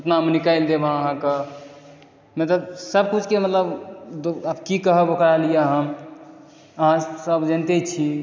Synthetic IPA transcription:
əpnamnikaɪld̪ebãəɦãkə | met̪əsəb̚kut͡ʃʰkemət̪ləbd̪oabkikəɦəbokɾaɦlijeəɦã | əɦãsəbd͡ʒənt̪et͡ʃʰi

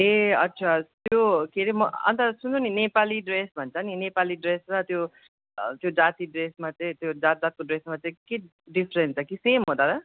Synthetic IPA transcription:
eʌt̪ːt͡sʰat̪jokʰeɾimʌʌ̰nt̪ʌsunt͡sʌninepaliɖresbʱʌnt͡sʰʌninepaliɖresrʌt̪jo | t̪jod͡zat̪iɖresmat͡sʌĩt̪jod͡zat̪̚d͡z̪at̪̚koɖresmat͡sʌĩke | ɖipʰɾent͡sʰʌkisemɦod̪aɾʌ

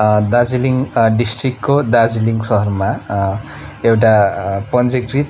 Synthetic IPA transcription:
d̪ad͡ziliŋɖisʈrikʈkod̪ad͡ziliŋsʌɦʌrma | ewʈapʌnd͡zekrit̪

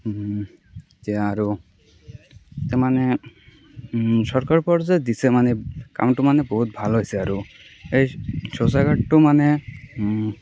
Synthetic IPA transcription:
tɛaɾu | tɛmane | sɔɹkaɹpɔɾzed̪isɛmaneka̰mʈumanebɔɦut̪̚bʱalɦojsɛaɾu | ejsosaɡaʈʈːumane

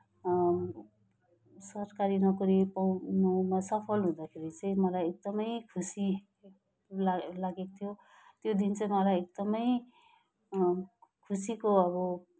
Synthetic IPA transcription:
sʌrkaɾinʌkʌɾipʌwnomasʌpʰʌlɦũd̪akʰeɾit͡sʌĩmʌlajek̚d̪ʌmʌjkʰusi | lalaɡekot̪ʰjo | t̪jod̪int͡sʌĩmʌlajek̚d̪ʌmʌj | kʰusikoʌβʌ

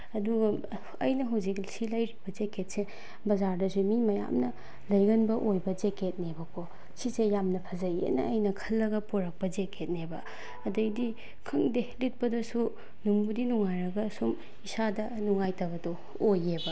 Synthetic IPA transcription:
ɐduɡɐ | ɐ̰jnɐɦɐwzik̚silɐjɾibɐd͡ʒeket̚se | bɐzaɾdɐsumimɐja̰mnɐ | lɐjɡɐnbɐʔojbɐd͡ʒeket̚nebɐkʰo | sisejamnɐpʰɐzɐjḛnɐ̰ːjnɐkʰɐlːɐɡɐpuɾɐk̚pɐd͡ʒekʰet̚nebɐ | ɐdɐjdi | kʰɐŋdelit̚pɐdɐsu | numbudinuŋajɾɐɡɐsum | isadɐ | nuŋajtɐɡɐdo | ojebɐ

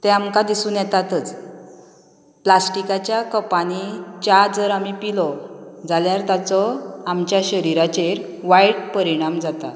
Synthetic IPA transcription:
t̪ɛ̃amkad̪isuːnjɛt̪at̪ət͡s | plasʈikat͡ɕjakəpanit͡ɕad͡zəɾamipilɔd͡zaljaɾt̪at͡sɔamt͡ɕjaɕəɾiɾat͡ɕeɾʋaiɽpəɾiɽ̃amd͡zat̪a̰

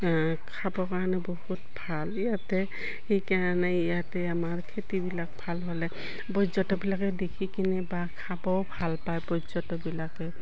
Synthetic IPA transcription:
kʰabɔkaɹnɛbɔhutbʱalijatɛ | hekaɹanɛijatɛamaɹkʰetibilak̚bʱalɦɔlɛ | bɔzɔtɔbilakɛdekʰikinɛbakʰabɔwbʱalpajbɔzɔtɔbilakɛ

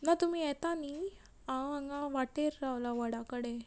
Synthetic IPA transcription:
nat̪um̤iːjɛt̪ani | ããŋɡaʋaʈeɾːawlaʋəɽakəɽe

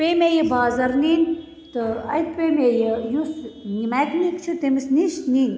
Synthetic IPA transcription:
peːmejebaːzɐɾniːnʲ | t̪ɨɐjt̪peːmejejusnimajknikt͡ʃʰit̪emisniʃniːnʲ

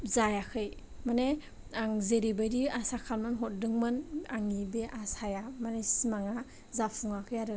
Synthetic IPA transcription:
zajakʰɯj | mane | aŋzeɾibajɾiasakʰalmɯnɦɔt̚dɯŋmɯnaŋibeʔasajamanesimaŋa | zapʰuŋakʰɯjaɾɯ

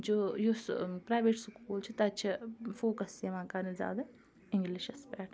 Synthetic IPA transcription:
d͡ʒoːjospɾaːjʋeːʈskuːlt͡ʃʰit̪ɐt͡ʃʰifoːkɐsjɐʋãːkaːnizʲja̰ːd̪ɐ | ɪ̃ŋɡliʃɐspɛːʈ

